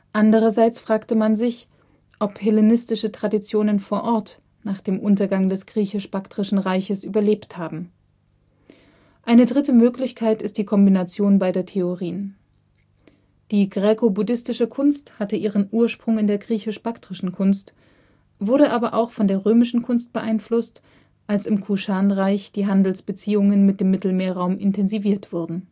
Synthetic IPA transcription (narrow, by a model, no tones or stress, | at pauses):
ʔandəʁɐzaɪt͡sfʁ̥aːktəmanzɪç | ʔɔphɛlenɪstɪʃətʁ̥adit͡sjoːnənfoːɐʔɔɐt | naːχd̥eːmʔʊntɐɡaŋdɛsɡ̥ʁiːçɪʃb̥aktʁ̥ɪʃn̩ʁaɪçəsʔyːbɐleːpthaːbm̩ | ʔaɪnədʁɪtəmøːklɪçkʰaɪtɪstd̥iːkʰɔmbinat͡sjoːnbaɪdeːɐtʰeoʁiːən | d̥iːɡʁekobudɪstɪʃəkʰʊnsthatəʔiːʁənʔuːɐʃpʁ̥ʊŋɪndeːɐɡʁiːçɪʃb̥aktʁ̥ɪʃn̩kʰʊnst | v̥ʊɐɾəʔaːbɐʔa̰ʊxfɔndeːɐʁøːmɪʃn̩kʰʊnst̚b̥əʔaɪnflʊst | ʔalsɪmkʰuʃaːnʁaɪçd̥iːɦandl̩sb̥ət͡siːʊŋənmɪt̚d̥eːmːɪtl̩meːɐʁaʊmʔɪntʰɛnziviːɐtv̥ʊɐdn̩